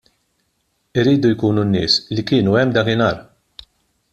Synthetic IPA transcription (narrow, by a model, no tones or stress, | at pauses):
ɪɾːiːd̪ujkuːnunːɪ̰ːslikɪːnuɛmːd̪ɐkɪnɐːɾ